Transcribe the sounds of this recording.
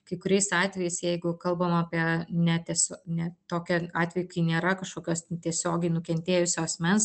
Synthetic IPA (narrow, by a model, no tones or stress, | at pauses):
kɐɪkʊɾʲɛɪsɑːt̪ʲʋʲɛjɛɪsjɛɪɡʊkɐlˠbɐmɐɐːpʲiɛnʲɛt̪ʲɛsʲoːnʲɛt̪oːkʲɛɑːt̪ʲʋʲɛjʊkɐɪnʲeːɾɐkɐʃkoːkʲoːst̪ʲiɛsʲoːɡʲɛɪnʊkʲɛnʲt̪ʲeːjʊsʲoɐsʲmʲɛns